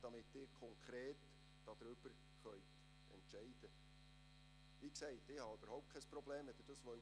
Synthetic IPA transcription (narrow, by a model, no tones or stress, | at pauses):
d̥ɑmɪt̪ːɪːɾkʰɔŋkʰɾeːt | d̥ɑd̪ɾʏb̥əɾ | χœʏt̪ | ɛ̰ntʃɛɪd̥̪ə | ʋiːksɛɪt̪ɪhɑøb̥əɾhɔwp̚t̚kʰɛjspɾɔbleːmʋɛd̥̪ʉd̥̪ɑsʋœ